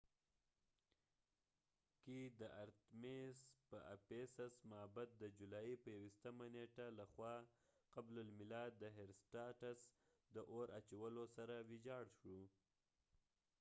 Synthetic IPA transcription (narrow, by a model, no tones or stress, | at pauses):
kid̪əʔaɾt̪mespəa̰pesasmaabat̪̚d̪əd͡ʒulɑjipəjawiʃt̪amaneʈalaxwɑqablalmɪlɑd̪ːəɦeɾsʈɑʈas | d̪əʔoɾʔat͡ʃawəlosaɾawid͡ʒɑɽʃɽu